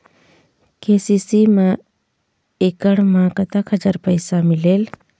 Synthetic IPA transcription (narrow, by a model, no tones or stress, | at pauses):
keːsisimã | eːkəɽmãkət̪əkʰəd͡ʒəɾpəɪsamɪleːl